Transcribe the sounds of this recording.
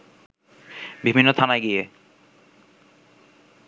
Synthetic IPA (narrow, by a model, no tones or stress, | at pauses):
bibʱinːot̪ʰanajɡie